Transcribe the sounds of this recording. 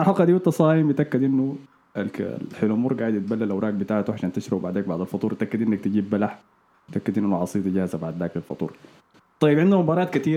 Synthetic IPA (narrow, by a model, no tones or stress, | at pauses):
aħɑqhad̪iːwɑt̪ːɑsˤɑːjɪmbɪt̪ʔakːɪd̪ʔɪnːu | a̰lkħelumuːɾˤɡaːʕɪd̪jɪt̪̚balːalʔawɾˤʔɑːk̚bɪt̪aːʕat̪uʕaʃaːnt̪ɪʃɾɑbbaʕd̪aːk̚baʕd̪alfɑt̪ˤuːɾˤɪt̪akːɪd̪ʔɪnːak̚t̪ɪɟiːbːalaħ | bɪt̪ʔakːɪd̪ɪnʔnːʕɑsˤiːt̪d͡ʒahzabaʕd̪ːaːkalfɑ̰t̪ˤṵːɾˤ | t̪ˤɑjːɪbʕɪnd̪umʊbɑːɾˤɑːt̪kat̪iːɾ